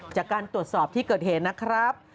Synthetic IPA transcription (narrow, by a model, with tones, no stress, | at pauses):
t͡ɕaː˨˩kːaː˧nt̪ɾu˨˩ət̪̚sɔː˨˩p̚t̪ʰiː˥˩kɤː˨˩t̪̚heː˨˩t̪̚na˦˥kʰɾa˦˥p̚